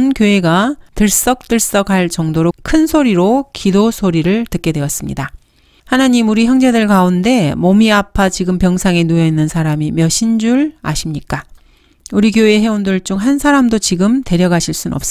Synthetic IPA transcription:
nkjoe̞ɡatɯɭs͈ʌk̚t͈ɯɭs͈ʌɡaɭt͡ɕʌŋdoɾokʰɯnsʰoɾiɾokidosʰoɾiɾɯɭtɯk͈̚e̞dwe̞ʌs͈ɯmɲḭda | hanaɲimuɾiçjʌŋd͡ʑedɯɭkaunde̞momiapʰat͡ɕiɡɯmpjʌŋsʰaŋenujʌinːɯnsʰaɾamimjʌɕʰind͡ʑuɭa̰ɕʰimɲik͈a | uɾikjoeɦe̞ondɯɭt͡ɕ͈oŋɦansʰaɾamdot͡ɕiɡɯmte̞ɾjʌɡaɕʰiɭs͈unʌ̰ps͈

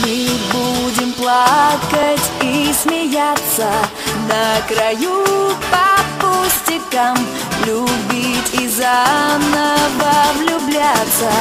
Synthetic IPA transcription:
mɨbudʲɪmplˠakɐtʲismʲɪjat̪sə | nɐkɾɐjupɐpusʲtʲɪkəm | lʲubʲitʲizanəvəvlʲʊblʲat̪sə

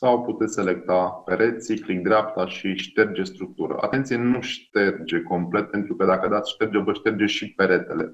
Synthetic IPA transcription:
sawput̪et̪sʲse̞le̞kt̪ape̞ɾe̞t̪siklik̚d̪ɾeapt̪aʃiʃt̪e̞rd͡ʒe̞st̪ɾuk̚t̪uɾə̰ʔa̰t̪e̞nt̪sienuʃt̪e̞rd͡ʒe̞ko̞mple̞t̪̚pe̞nt̪ɾukəd̪akəd̪at̪sʲʃt̪e̞rd͡ʒevəʃt̪e̞rd͡ʒeʃipe̞ɾe̞t̪e̞le̞̰

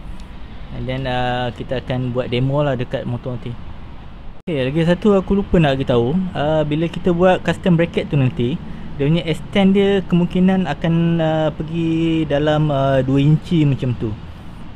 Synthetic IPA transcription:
dɛnəkit̪aːkanbuat̪̚demɔlahdəkat̪̚mõt̪ɔant̪i | okelaɡisat̪uakulupənaʔəɡit̪auəbiləkit̪abuat̪̚kast̪əmbɾakɛt̪̚ːunant̪idauɲaʔɛst̪ɛndiəkəmũŋkinãnakanəpəɡidalaməduəiɲt͡ʃimət͡ʃamt̪u

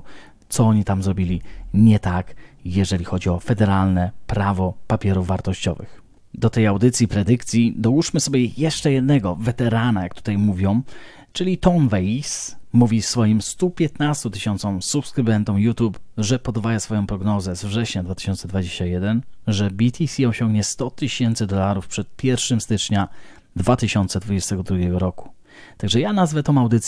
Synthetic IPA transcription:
t̪sɔɔɲit̪amzɾɔbʲilʲiɲɛt̪akjɛʐɛlʲixɔd͡ʑiɔfɛd̪ɛɾalnɛpɾavɔpapʲjɛɾuvvːaɾt̪ɔɕt͡ɕɔ̰vɘ̰x | d̪ɔt̪ɛjawd̪ɘt̪sʲipɾɛd̪ɘkt̪sʲjid̪ɔwuʂmɘsɔbʲjɛjɛʂt͡ʂɛjɛd̪nɛɡɔvɛt̪ɛɾanajak̚t̪u̥t̪ajmuvʲjɔ̃w̃ | t͡ʂɘlʲit̪ɔnvɛismuvʲisfɔjimst̪upʲjɛt̪nast̪ut̪ɘɕɔnt̪sɔ̃msupskɾɘbɛnt̪ɔ̃wjut̪upʐɛpɔd̪vajasfɔjɔ̃w̃pɾɔɡnɔzɛzvʐɛɕɲad̪vat̪ɘ̥ɕɔnt̪sɛd̪vad͡ʑeɕt͡ɕajɛd̪ɛnʐɛbʲit̪ʰʲisʲiɔɕɔŋɡɲɛst̪ɔt̪ɘɕɛnt̪sɘd̪ɔlaɾufpʂɛt̪̚pʲjɛɾfʂɘmst̪ɘt͡ʂɲa | d̪vat̪ɘɕɔnt̪sɛd̪vud͡ʑɛst̪ɛɡɔd̪ɾuɡʲjɛɡɔɾɔku̥ | t̪aɡʐɛjanazvɛt̪ɔ̃w̃awd̪ɘt̪sʲ

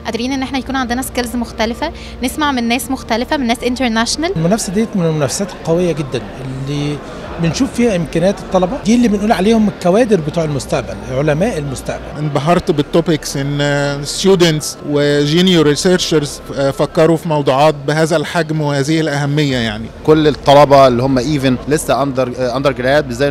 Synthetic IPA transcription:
ʔæd̪ɑɾiːnʔenːʔeħnæjækuːnʕand̪enæskelzmoxt̪ælɪfæ | nesmaʕmenːæːsmoxt̪ælɪfæmenːæːsʔɪnt̪eɾnæʃnællmʊnæfsæd̪ejːæt̪menelmʊnæfæ̥sæːt̪elqɑwejːæɡed̪ːænʔelːiː | bɪnʃuːfːiːhæʔɪmkæːnæːt̪e̥t̪ˤːɑlɑbɑd̪iːlːiːbenʔuːlʕaleːhomelkːæwæːd̪eɾbet̪ˤuːʕelmʊst̪aʔbæ̰lelʕolæmæːʔelmost̪a̰ʔbæ̰lʔɪnb̪ɑɦːɑɾˤt̪bet̪ˤːopɪksʔenːst̪juːd̪ent̪swɪʒiːnjoɾiseɾʃɑɾz | fækːɑɾˤufimɑwd̪ˤuːʕɑːt̪̚bɪɦæːzælħaɡmwehæːzɪhɪlʔæhæmːɪjːæjaʕnikolːet̪ˤːɑlɑbɑelːiːhomːæʔiːvenlesːæʔɑnd̪ˤɑɾˤʔɑnd̪ˤɑɾɡɪlæjæːt̪̚bɪzæː

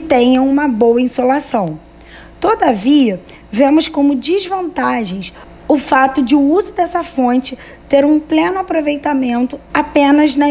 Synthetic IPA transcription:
t̪ẽɲɐ̃w̃ũmɐbowɐĩsolasɐ̃w̃ | t̪od̪ɐviɐ | vẽmʊskõmʊd͡ʒɪzvɐ̃nt̪aʒẽj̃s | ʊfat̪ʊd͡ʒɪʊuzʊd̪ɛsɐfõnt͡ʃɪ | t̪eɾũplẽnʊapɾovejt̪amẽnt̪ʊapẽnɐznɐ

